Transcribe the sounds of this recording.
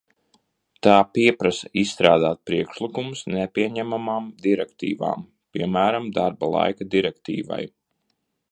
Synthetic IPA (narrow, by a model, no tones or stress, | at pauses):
t̪aːpiɛpɾasaisst̪ɾaːd̪aːt̪̚pɾiɛkʃlˠikumusnɛpʲiɛɲæmamaːmd̪iɾɛkt̪ḭːva̰ːm | piɛmæːɾamd̪aɾbalˠa̰jkad̪iɾɛkt̪ḭːva̰j